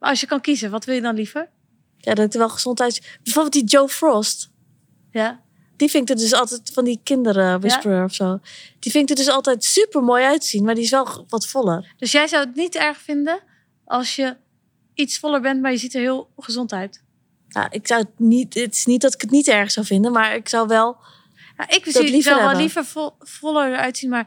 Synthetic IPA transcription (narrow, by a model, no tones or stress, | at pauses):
maɔsjəkɔnkizəʋɔtʋɪlˠjədɔnlifəɹ | jadɔtɪk̚təʋɛlˠxəz̥ɔntɦɛjtsb̥ɛfolˠbɪlˠtdid͡ʒoːfrɔst | d̥ifɪŋk̚dədøs̬ɔlˠtɛtfɔndikɪndərʋɪsøɔfsoːd̥ifɪnɪk̚dədøs̬ɔlˠtɛjtsypəɹmoːjœɥtəsinmaɹdiɪs̬ʋɛlˠʋɔtfɔlˠərd̥øsjɛjzawətnitɛɹxfɪndən | ʔɔlˠsjə | isfɔlˠəɹbɛnmaɹjəzitəɹhiəlˠχəzɔntɦɛɥt | ja̰ʔɪksawətnittɪ̥snit̚dɔtɪ̥kətnitɛɹxəsawfɪndənmaɹɪksawʋɛlˠ | ja̰ʔɪkbəsdɔlifəɛɔlifə | fɔlˠəœɥtsinmaɹ